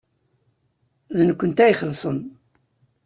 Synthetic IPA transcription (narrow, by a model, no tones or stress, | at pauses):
ðənəkʷːənt̪æjχəlːsˤən